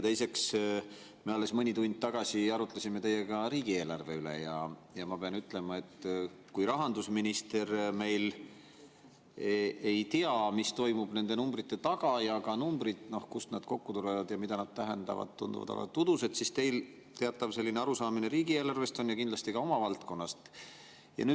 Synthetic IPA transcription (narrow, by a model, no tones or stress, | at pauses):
jt̪e̞jse̞ks | me̞ɑlːe̞smɤnʲit̪uɲnʲd̪̚t̪ɑɡ̥ɑsiɑɾut̪ːˑlesimet̪e̞jːekɑɾiːɡ̥ie̞ːlɑrve̞ylḛjɑ̰jɑmɑpeɑnyt̪ːˑle̞mɑe̞t̪ː | kujɾɑɦɑnd̪usminist̪e̞ɾme̞jl | ejt̪iɑmist̪o̞jmub̥ne̞nd̪e̞numbɾit̪ːe̞t̪ɑɡ̥ɑjɑkɑnumb̥ɾit̪no̞hkusnɑd̪̥ko̞kːut̪uɾevɑd̪̥jɑmid̪̥ɑnɑd̪̥̚t̪æɦend̪̥ɑ̰vɑ̰d̪̥t̪ːund̪̥ṵvɑ̰d̪ɑ̰lɑ̰t̪ud̪̥use̞d̪sist̪e̞jl | t̪e̞ɑt̪ːˑɑvse̞lːineɑɾusɑːmine̞ɾiːɡ̥ie̞ːlɑrve̞st̪o̞njɑkind̪lɑst̪ikɑo̞mɑvɑlt̪ko̞nːɑst̪ | jɑ̰ny̥ː